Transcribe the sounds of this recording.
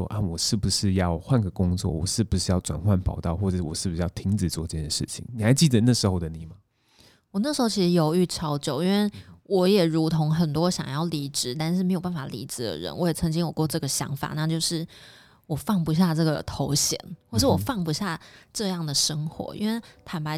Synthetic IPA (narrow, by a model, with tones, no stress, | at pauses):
ɔ̰˥ʔa˥˧wɔ˨˩ʂɻ̩˥˩bu˩ʂɻ̩˥˧jɑ˥˧ʊxwa˥˩nɡə˨˩kʊ˥ŋt͡swɔ̰˥˩wɔ̰˨˩ʂɻ̩˥˩bu˨˩ʂɻ̩˥˧jɑ˥˩ʊʈ͡ʂwa̰˨˩nxwa˥˩npʰɑ˨˩ʊt̪ɑ˥˧ʊxwɔ˥˩ə˨˩˥wɔ̰˨˩ʂɻ̩˥˩bu˨˩ɻ̩˥˩jɑ˥˩ʊt̪ʰi˧˥ŋt͡sɻ̩˨˩t͡swɔ˥˧ʈ͡ʂɤ˥˩t͡ɕjɛ˥˩˨ʂɻ̩˥˩t͡ɕʰḭ˨˦ŋni˨˩xa˧˥ɪt͡ɕi˥˩d̪ə˨˩na˥˩ʂɻ̩˧˥xo˥ʊd̪ə˧˦ni˨˩mɐ˦ | wɔ˨˩na˥˩ʂɻ̩˧˥xo˥˩t͡ɕʰi˧ʂɻ̩˧˥jo˧˥ʊy˥˩ʈ͡ʂʰɑ˧˥ʊt͡ɕjo˨˩ʊi˥nwe˥˩ɪwɔ˧˥jɛ˨˩ɻu˧˥t̪ʰʊ˧˥ŋxə˨˩nt̪̬wɔ˥ɕjɑ̰˨˩ŋjɑ˥˩ʊli˧˥ʈ͡ʂɻ̩˨˩˦t̪a˥˧nʂɻ̩˥˩me˧˥ɪjo˨˩ʊpa˥˩n˩fa˨˩lḭ˧˥t͡sɹ̩˨˩d̪ə̰˨ɻə̰˧˦nwɔ˧˥jt͡sʰɤ˧˥ŋt͡ɕi˥ŋwɔ˨˩kwɔ˥˧ʈ͡ʂɤ˥˩ɡə˩ɕjɑ̰˧˥ŋfa̰˨˩˦na˥˧t͡ɕjo˥˧ʊʂɻ̩˥˩ | wɔ˨˩fɑ˥˩ŋpu˧ɕ̬ja˥˧ʈ͡ʂɤ˥˩ɡə˩t̪ʰo˧˥ʊɕjɛ̰˨˩˦nxwɔ˥˧ʂɻ̩˥˩wɔ˨˩fɑ˥˩ŋpu˧ɕja˥˩ʈ͡ʂɤ˥˧jɑ˥˩ŋd̪ə˩ʂɤ˥ŋxwɔ̰˧˥ḭ˥˧nwe˥˩t̪ʰa˨˩npa˧˥ɪ